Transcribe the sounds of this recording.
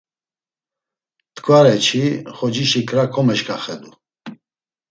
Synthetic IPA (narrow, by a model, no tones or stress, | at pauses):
t̪kʰʼvaɾɛt͡ʃʰiχɔd͡ʒiʃikʰɾakʰɔmɛʃkʰʼaχɛd̪u